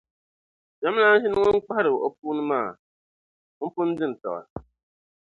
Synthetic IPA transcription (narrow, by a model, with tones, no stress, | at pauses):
d͡ʒa˨˦m˦na˦ʃɪ˦nʊ˦ŋɔ˦n˦k͡pa˦hɾɨ˨wʔɔ˦p̚uː˦nɨ˦maː˦˨˦ | m̩˦pʊ˦n̩˦dɪ˦n˨tɔ̰˨ɣa̰˨